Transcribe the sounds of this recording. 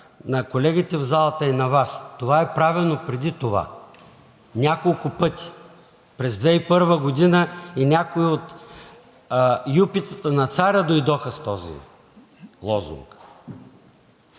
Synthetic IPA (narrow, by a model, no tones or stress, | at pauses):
nɐkolɛɡʲit̪ɛvzalˠɐt̪əinɐvast̪ovaɛpɾavilˠnopɾɛd̪it̪ova̰ | nʲakolˠʊpɤt̪i̥ | pɾɛzd̪vɛipɤɾvəɡod̪inəinʲakoiot̪ | jupit̪ə̥t̪ənɐt̪saɾʲəd̪ojd̪ɔxəst̪ɔzḭ | lˠɔzṵŋk